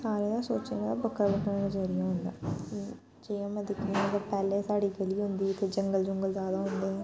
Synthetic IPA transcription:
saːɾeːd̪aːsoːt͡ʃeːŋãːd̪aːbəkʰːəɾbəkʰːnəzəːɾɪjãːɦʊ̃nd̪a̰ː | d͡ʒeːjãːmɛ̃d̪ɪkʰiãt̪əpɛːleːsaːɽiːɡəliːɦʊnd̪iːt̪eːd͡ʒəŋɡəld͡ʒʊŋɡəlzjaːd̪aːɦʊ̃nd̪eːɦɛ̃ː

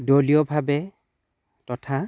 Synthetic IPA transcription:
dolijɔbʱabɛ | tɔtʰa

